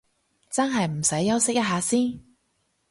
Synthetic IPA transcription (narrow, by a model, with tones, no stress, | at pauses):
t͡sɐ˥nɦɐ˨jm̩˨˩sɐ˨˥jːɐ˥wsɪ˥k̚jɐ˥t̚ɦaː˨˧siː˥n